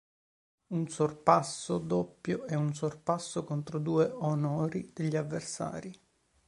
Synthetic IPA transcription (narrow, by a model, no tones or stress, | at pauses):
unsorpasːod̪opːjoɛunsorpasːokont̪ɾod̪uːeonɔːɾid̪̥eʎːiavːersa̰ːɾi